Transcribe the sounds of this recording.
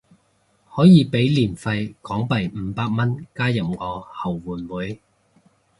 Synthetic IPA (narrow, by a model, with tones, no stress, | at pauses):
hɔː˨˥jiː˨˧pe˨˥jliː˨˩nfɐ˧jkɔː˨˥ŋpɐ˨˩jm̩ː˨˦paː˧k̚mɐ˥nkaː˥jɐ˨p̚ŋɔː˨˧hɐ˨˩wːuː˨˩nwuː˨˥j